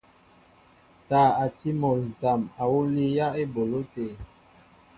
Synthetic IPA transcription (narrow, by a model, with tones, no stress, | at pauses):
taː˨a˨ti˦mo˨lta˨ma˨wu˦li˦ja˦e˦bo˨lo˦te˨